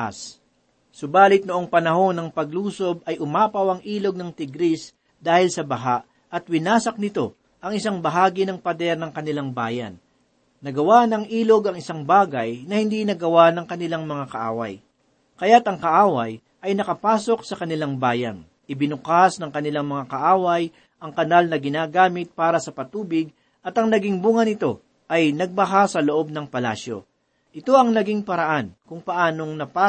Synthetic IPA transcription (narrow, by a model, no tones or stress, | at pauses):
a̰s | sʊbaːlɪt̪̚noʔoŋpɐnɐɦo̞nɐŋpɐɡluːso̞b̚ɐjʔʊmaːpɐwɐŋʔiːlo̞ɡ̚nɐŋt̪ɪɡɾis | d̪aːhɪlsɐbɐɦaʔ | ʔɐt̪̚wɪnaːsɐk̚nɪt̪o̞ | ʔɐŋɪsaŋbɐɦaːɡɪnɐŋpɐd̪ɛɾnɐŋkɐnɪlaŋbaːjɐ̰nː | ɐɡɐwanɐŋʔiːlo̞ɡɐŋɪsaŋbaːɡɐjnɐhɪnd̪inɐɡɐwanɐŋkɐnɪlaŋmɐŋakɐʔa̰ːwɐ̰j | kɐjat̪ɐŋkɐʔaːwɐj | ʔɐjnɐkɐpaːso̞k̚sɐkɐnɪlaŋbaːjɐn | ʔɪbɪnʊkasnɐŋkɐnɪlaŋmɐŋakɐʔaːwɐj | ʔɐŋkɐnalnɐɡɪnaːɡaːmɪt̪̚paːɾɐsɐpɐt̪uːbɪɡ̚ | ʔɐt̪ɐŋnɐɡiŋbuŋɐnɪt̪o̞ | ʔɐjnɐɡ̚bɐɦasɐloʔo̞b̚nɐŋpɐlaːsjo̞̰ | ʔɪt̪o̞ɐŋnɐɡiŋpɐɾɐʔankʊŋpɐʔaːno̞ŋnɐpa